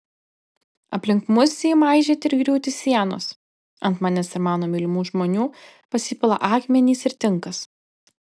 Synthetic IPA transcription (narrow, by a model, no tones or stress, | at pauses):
ɐpʲlʲɪŋkmʊsʲiːmɑˑɪʒʲeːt̪ʲɪɾɡɾʲuːt̪ʲɪsʲiɛno̰s | ɐnt̪mɑːnʲɛsɪɾmɑːnoːmʲɪlʲɪmuːʒmoːnʲuː | pɐsʲɪpʲɪlˠɐ̰ʔɑːkmʲɛnʲiːsɪɾt̪ʲɪŋˑkɐs